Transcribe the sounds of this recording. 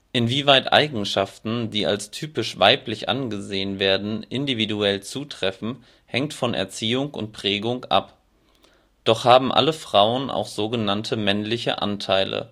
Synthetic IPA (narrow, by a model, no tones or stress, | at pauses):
ʔɪnviːvaɪtʔa̰ɪɡŋ̩ʃaftn̩diːa̰lstʰyːpɪʃv̥aɪplɪçʔa̰nɡəzeːənveːɐdn̩ʔɪndividuɛlt͡suːtʁ̥ɛfn̩ | hɛŋktfɔnʔɛ̰ɐt͡siːʊŋʊ̰nt̚pʁ̥ɛːɡʊŋʔa̰p | d̥ɔχhaːbm̩ʔa̰ləfʁ̥aʊənʔa̰ʊxz̥oːɡənantʰəmɛnlɪçə̰ʔa̰ntʰaɪlə̰